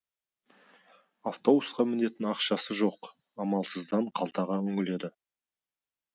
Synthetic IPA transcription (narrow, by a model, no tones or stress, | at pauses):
aft̪o̞busqɑmɪne̞t̪ɪnɑqʃɑsəʒo̞q | ɑmɑlˠsəzd̪ɑɴqʰɑlˠt̪ɑʁɑʏŋɪle̞d̪ɪ